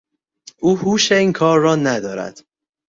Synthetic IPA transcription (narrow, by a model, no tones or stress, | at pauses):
ʔuːhuːʃeiːŋkʰɒːɾːɒːnæd̪ɒːɾæ̰d̪̥